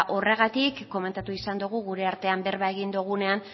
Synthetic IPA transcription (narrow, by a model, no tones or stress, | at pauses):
ʔo̞re̞ɣ̞at̪ikːo̞me̞nt̪at̪uisand̪uɣ̞uɣuɾe̞aɾt̪e̞ambe̞ɾβaeɣind̪uɣ̞une̞an